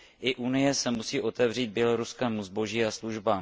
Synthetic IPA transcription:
ʔɪʔunɪjɛsɛmusiːʔo̞t̪ɛvr̝iːd̪̚bjɛlo̞ɾuskɛːmuzbo̞ʒiːasluʒbaːm

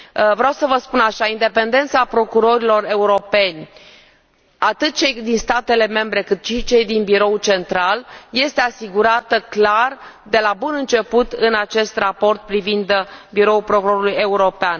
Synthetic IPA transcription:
vɾeawsəvəspunaʃaind̪e̞pe̞nd̪e̞nt̪sapɾo̞kuɾo̞ɾilo̞re̞uɾo̞pe̞nʲ | at̪ɨt̪̚t͡ʃejd̪inst̪at̪e̞le̞me̞mbɾe̞kɨt̪ʃit͡ʃe̞jd̪inbiɾo̞ut͡ʃe̞nt̪ɾalje̞st̪e̞asiɡuɾat̪əklar | d̪e̞labunɨnt͡ʃe̞put̪ɨnat͡ʃe̞st̪rapo̞rt̪̚pɾivind̪biɾo̞ulpɾo̞kuɾo̞ɾuluje̞uɾo̞pean

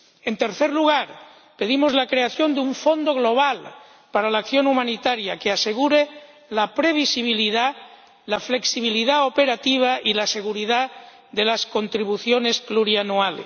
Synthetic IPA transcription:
e̞nt̪e̞ɾθeɾluɣ̞aɾ | pe̞ð̞imo̞zlakɾe̞aθjo̞nd̪euɱfo̞nd̪o̞ɣlo̞β̞al | paɾalaːkθjo̞numãnit̪aɾjakease̞ɣ̞uɾe | lapɾe̞β̞isiβ̞iliða | lafle̞ksiβ̞iliðaope̞ɾat̪iβ̞aʔilase̞ɣ̞uɾiða | ðe̞lasko̞nt̪ɾiβ̞uθjone̞spluɾianuale

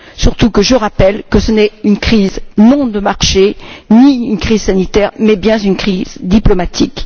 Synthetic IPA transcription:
syʁt̪ukəʒəʁapɛlkəsənɛynkχiznɔ̃d̪əmaʁʃeniynkχizsanit̪ɛʁmɛbjɛ̃zynkχizd̪iplɔmat̪ʰik

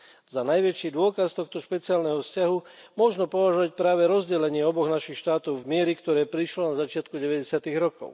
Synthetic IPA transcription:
zanajʋɛt͡ʃid̪ʊɔkast̪ɔxt̪ɔʃpɛt͡siaːlnɛɦɔfscaɦumʊɔʒnɔpɔʋaʒɔʋac̚pɾaːʋɛɾɔzɟɛlɛɲɪɛɔbɔɣnaʃixʃt̪aːt̪ɔʊvmɪɛɾikt̪ɔɾɛːpɾiʃlɔnazat͡ʃɪat̪kuɟɛʋɛɟɛsɪat̪iɣɾɔkɔ̰ʊ

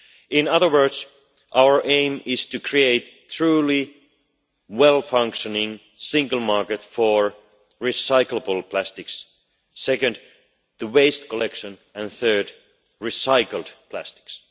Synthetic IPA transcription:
ɪ̃nʌðə˞wɜ˞ds | ʔaʊə˞ʔẽɪ̃mɪz̥tɨkʰɹ̥ieɪt̪ | ɹuli | wɛlˠfʌ̃ŋkʃənɪ̃ŋ | sɪ̃ŋɡəl̩ˠmɑɹkɨtfəɹ | ɹisaɪkləbəl̩ˠpʰl̥æstɪksː | ɛkɨ̃nd̪ | ðəweɪstkʰɔlɛkʃə̃nɨ̃nθɜ˞d | ɹisaɪkl̩ˠdpʰl̥æ̰stɪ̥ks

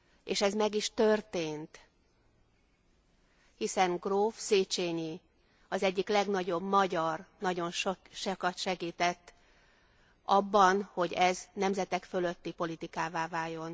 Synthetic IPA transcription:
eːʃɛzmɛɡiʃt̪ørt̪eːnt̪ | hisɛŋɡroːfseːt͡ʃeːɲi | ɒzɛɟːiklɛɡn̪ɒɟo̞bmɒɟɒrnɒɟo̞nʃoʃɛkɒt̪ʃɛɡiːt̪ɛt̪ː | ʔɒbːɒnho̞ɟɛznɛmzɛt̪ɛkfø̞lø̞t̪ːipo̞lit̪ikaːvaːvaːjo̞n

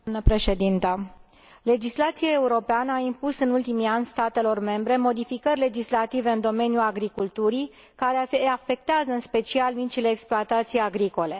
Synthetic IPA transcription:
nəpɾe̞ʃe̞d̪int̪ə | le̞d͡ʒislat̪siae̞uɾo̞peanəaimpusɨnult̪imianʲst̪at̪e̞lo̞rme̞mbɾe̞mo̞d̪ifikərʲle̞d͡ʒislat̪ive̞ɨnd̪o̞me̞njuaɡɾikult̪uɾi | kaɾe̞afe̞k̚t̪eazəɨnspe̞t͡ʃialmit͡ʃile̞ːksploat̪at̪sijaɡɾiko̞le̞

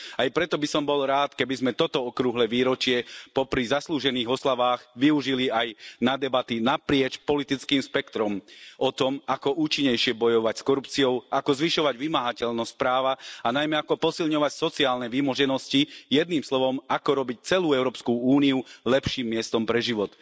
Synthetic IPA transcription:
ajpɾɛt̪ɔbisɔmbɔlɾaːt̪kɛbizmɛt̪ɔt̪ɔɔkɾuɦlɛʋiːɾɔt͡ʃɪɛpɔpɾizasluːʒɛniːɣɔslaʋaːɣʋiuʒiliajnad̪ɛbat̪inapɾɪɛt͡ʃpɔlit̪it͡skiːmʃpɛkt̪ɾɔmɔt̪ɔmakɔʔuːt͡ʃiɲːɛjʃɪɛbɔjɔʋacskɔɾupt͡siɔʊakɔzʋiʃɔʋaɟʋimaɦacɛʎnɔsc̚pɾaːʋaanajmɛakɔpɔsilɲɔʋacsɔt͡siaːlnɛʋimɔʒɛnɔscijɛd̪nimslɔʋɔmakɔɾɔbic̚t͡sɛluːɛʊɾɔːpskuuːniulɛpʃiːmːɪɛst̪ɔmpɾɛʒiʋɔt̪

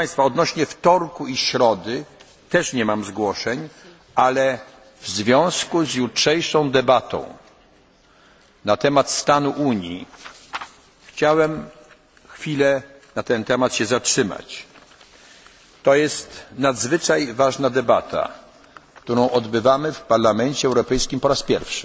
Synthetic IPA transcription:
j̃st̪faɔd̪nɔɕɲɛft̪ɔɾkuiɕɾɔd̪ɘ | t̪ɛʂɲɛmamzɡwɔʂɛɲ | ʔalɛ | vzvʲjɔ̃w̃skuzjutʂɛjʂɔ̃w̃d̪ɛbat̪ɔ̰̃w̃ | nat̪ɛmat̪st̪anuʔuɲjḭ | xt͡ɕawɛm | xfʲilɛ | nat̪ɛnt̪ɛmat̪ɕɛzatʂɘma̰t͡ɕ | t̪ɔjɛst̪nad̪zvɘt͡ʂajvaʐnad̪ɛbat̪ʰa̰ | kt̪uɾɔ̃w̃ʔɔd̪bɘvamɘfpaɾlamɛɲt͡ɕɛɛwɾɔpɛjskʲimpɔɾaspʲjɛɾfʂɘ̥

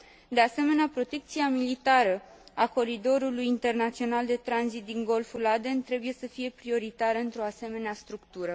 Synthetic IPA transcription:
d̪e̞ase̞me̞neapɾo̞t̪e̞k̚t̪siamilit̪aɾə | ako̞ɾid̪o̞ɾulujint̪e̞rnat̪sio̞nald̪e̞t̪ɾanzit̪̚d̪iŋɡo̞lfulad̪e̞nt̪ɾe̞buje̞səfije̞pɾio̞ɾit̪aɾəɨnt̪ɾo̞ase̞me̞neast̪ɾukt̪uɾə

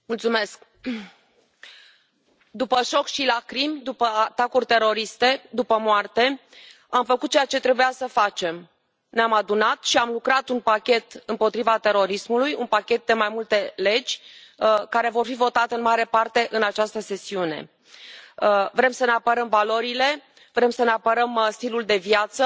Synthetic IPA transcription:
mult̪sume̞sk̚ | d̪upəʃo̞kʃilakɾimd̪upəat̪akurʲt̪e̞ɾo̞ɾist̪e̞d̪upəmoart̪e̞ | amfəkut̪̚ːt͡ʃejat͡ʃe̞t̪ɾe̞bujasəfat͡ʃe̞m | neamad̪unat̪ʃiamlukɾat̪unpakʲe̞t̪ɨmpo̞t̪ɾivat̪e̞ɾo̞ɾismulujunpakʲe̞t̪̚d̪e̞majmult̪e̞le̞d͡ʒʲ | kaɾe̞vo̞rfivo̞t̪at̪eɨnmaɾe̞part̪e̞ʔɨnat͡ʃast̪əse̞siune̞̰ | vɾemsəne̞apəɾəmvalo̞ɾile̞ | vɾe̞msəneapəɾəmst̪iluld̪e̞vjat̪sə

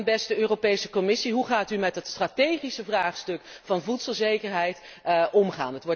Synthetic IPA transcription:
bɛstəøːropejsəkɔmɪsiɦuχaːtymɛtdɑtstraːtejχisəvraːχstɵkfɑnvutsəlˠzejkəɹɦɛjt | ʔɔmχa̰ːnətʋɔɹ

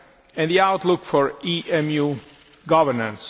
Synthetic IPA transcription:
ɛ̃nðiaʊt̪lʊkfɔɹiʔɛ̃mju | ɡʌvəɹnə̃ns

